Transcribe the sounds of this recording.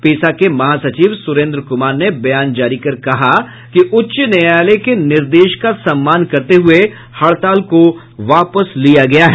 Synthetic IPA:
peːsakemɐɦaːsɐt͡ʃiːʋsʊɾẽːnd̪ɾəkʊmaːɾnebɐjaːnd͡ʒaːɾikɐɾkɐɦa | kiʔʊtːʃnɐjaːlekenɪɾd̪eːʃkasɐ̃mːaːnkɐɾt̪eɦʊe | hɐɭt̪aːlko | ʋaːpəslijaɡɐjaɦɛː

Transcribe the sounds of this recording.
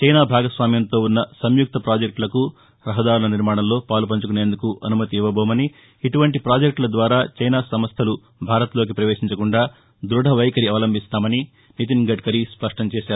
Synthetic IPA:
t͡ʃɐjnaːbʱaːɡɐsʋaːmjɐnt̪o̞ːunːɐsɐmjuk̚t̪ɐpɾaːd͡ʒek̚ʈlɐku | ɾɐɦɐd̪aːɾulɐniɾmaːɳɐmlo̞ːpaːlupɐɲt͡ʃukune̞ːnd̪ukuʔɐnumɐt̪iiʋɐboːmɐniː | ʈuʋɐɳʈipɾaːd͡ʒek̚ʈlɐd̪ʋaːɾaːt͡ʃɐjnaːsɐmɐst̪ʰɐlu | bʱaːɾɐt̪lo̞ːk̬ipɾɐʋeːʂiɲt͡ʃɐkuɳɖaː | d̪ɾuɽʱɐʋɐjkɐɾiaːlɐmbʱist̪aːmɐni | nit̪inɡɐʈ̚kɐɾispɐʂʈɐmt͡ʃeːʃaːɾu

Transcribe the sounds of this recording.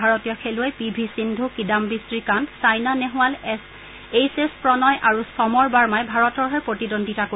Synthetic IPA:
aɹɔtijɔkʰelʊɛjpibʱisindʱukidambistɹikantsajnanɛɦʊ̃wals | ejsespɹɔnɔjʔaɹusɔmɔɹbaɹmajbʱaɹɔtɔɹɦɛɹpɹotidondʱitako

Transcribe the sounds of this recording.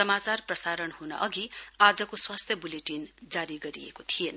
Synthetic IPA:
sʌmat͡sarprʌsaɾʌnhunʌ̰ʔʌɡiad͡zʌkoswast̪ʰjʌbuleʈind͡zaɾiɡʌɾiḛkot̪ʰijen

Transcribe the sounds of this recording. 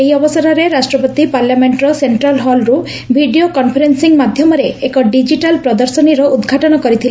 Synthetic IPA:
eɦiɔbɔsaɾɔɾeɾasʈɾɔpɔt̪ipaɾljameɳʈɾɔseɳʈɾalɦɔlɾu | bʱiɖiokɔnpʰɔɾensiŋmad̪ʱjɔmɔɾeekɔɖid͡ʒiʈalpɾɔd̪ɔɾsɔniɾɔud̪ɡʱaʈɔnɔkɔɾit̪ʰile

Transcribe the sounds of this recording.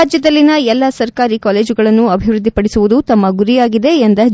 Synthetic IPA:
d͡ʒjɐd̪ɐlːinɐɛlːɐsɐɾkaːɾikaːleːd͡ʒuɡɐɭɐnːuɐbʱiʋɾud̪ʱːipɐɽisuʋud̪ut̪ɐmːɐɡuɾijaːɡid̪e̞ːnd̪ɐ

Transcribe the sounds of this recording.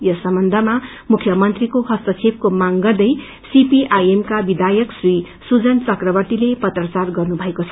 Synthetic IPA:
jʌsʌmbʌnd̪ʱʌma | mukʰjʌmʌnt̪rikohʌst̪ʌt͡sʰeb̚komaŋɡʌrd̪ʌj | sipiʔajemkabid̪ʱajʌksri | sud͡zʌnt͡sʌkrʌbʌrt̪ilepʌt̪rʌt͡sarɡʌrnubʱʌekot͡sʰʌ̥

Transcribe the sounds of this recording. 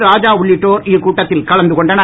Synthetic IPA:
ɾaːd͡ʒaːʊɭːɪʈːoːɾikːuːʈːɐt̪ːɪlkɐɭɐnd̪ɯkɔɳɖɐnɐ

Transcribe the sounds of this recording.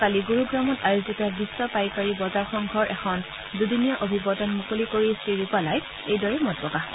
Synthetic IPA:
kaliɡuɹuɡɹamɔtajozitabisːɔpajkaɹibɔzaɹxɔŋɡʱɔɹʔɛxʰɔn | dudinijɔʔobʱibɔdɔnmukolikoɹisɹiɹupalaj | ejdɔɹɛmɔdbɔka

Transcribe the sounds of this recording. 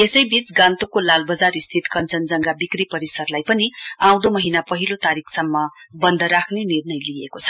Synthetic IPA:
esʌjbit͡sɡãnt̪okolalbʌd͡zaɾist̪ʰit̪kʌnt͡sʌnd͡zʌŋɡabikripʌɾisʌrlajpʌniãw̃d̪omʌɦinapʌɦilot̪aɾikʰsʌmːʌbʌnd̪ʱʌɾakʰnenirnʌjlijekot͡sʰʌ̥

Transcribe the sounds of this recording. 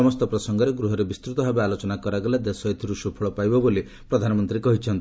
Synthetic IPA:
ɔmɔst̪ɔpɾɔsɔŋɡɔɾeɡɾuɦɔɾebist̪ɾut̪ɔbʱabealot͡ʃɔnakɔɾaɡɔlad̪esɔjt̪ʰiɾusupʰɔɭɔpajbɔboli | pɾɔd̪ʱanɔmɔnt̪ɾikɔɦit͡ʃʰɔnt̪i

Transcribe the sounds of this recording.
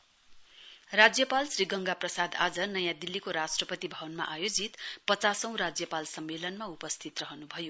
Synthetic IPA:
rad͡zjʌpalsriɡʌŋɡaprʌsad̪a̰d͡zʌnʌjãd̪ilːikoɾasʈrʌpʌt̪ibʱʌbʌnma̰ʔajod͡zit̪pʌt͡sasʌ̃w̃rad͡zjʌpalsʌmːelʌnmaupʌst̪ʰit̪rʌɦʌnubʱʌjo

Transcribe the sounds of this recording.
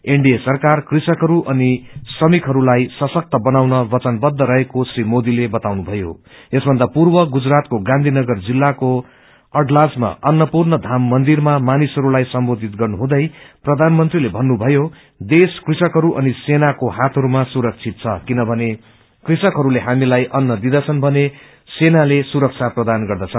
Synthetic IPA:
eɳɖijesʌrkarkrisʌkɦʌɾuʔʌnisʌmikɦʌɾulajsʌsʌk̚t̪ʌbʌnawnʌbʌt͡sʌnbʌd̪ʱːʌɾʌɦekosrimod̪ilebʌt̪awnubʱʌjo̰esbʱʌnd̪apurbʌɡud͡zrat̪̚koɡãnd̪ʱinʌɡʌrd͡zilːako | ʌʈlasma̰ʔʌnːʌpurnʌd̪ʱamːʌnd̪irmamanisɦʌɾulajsʌmbod̪ʱit̪ɡʌrnuɦũd̪ʌjprʌd̪ʱanmʌnt̪rilebʱʌnːubʱʌjo | d̪eskrisʌkɦʌɾuʔʌnisenakoɦat̪ʰʌɾumasuɾʌk̚t͡sʰit̪̚t͡sʰʌkinʌbʱʌne | krisʌkɦʌɾuleɦamilajʔʌnːʌd̪id̪ʌt͡sʰʌnbʱʌne | senalesuɾʌk̚t͡sʰaprʌd̪anɡʌrd̪ʌt͡sʰʌn

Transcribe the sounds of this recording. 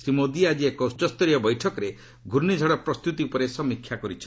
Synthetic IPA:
sɾimod̪iad͡ʒiekɔt͡ʃɔst̪ɔɾijɔbɔjʈʰɔkɔɾe | ɡʱuɾnid͡ʒʱɔɽɔpɾɔst̪ut̪iupɔɾesɔmikʰjakɔɾit͡ʃʰɔ

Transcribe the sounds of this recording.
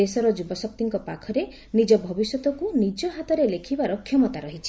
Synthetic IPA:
esɔɾɔd͡ʒubɔsɔp̚t̪iŋkɔpakʰɔɾe | nid͡ʒɔbʱɔbisjɔt̪ɔkunid͡ʒɔɦat̪ɔɾelekʰibaɾɔkʰjɔmɔt̪aɾɔɦit͡ʃʰi̥

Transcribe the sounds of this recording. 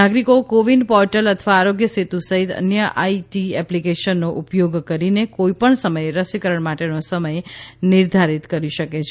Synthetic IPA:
aɡɾikokoʋinɖpɔɾʈələt̪ʰəʋaːɾoɡjəset̪usəɦit̪ə̰njəʔaiʈiɛplikeʃənːoʔupjoɡkəɾinekoipəɳsəməjeɾəsikəɾəɳmaʈenosəməjnɪɾd̪ʱaɾit̪kəɾiʃəket͡ʃʰe

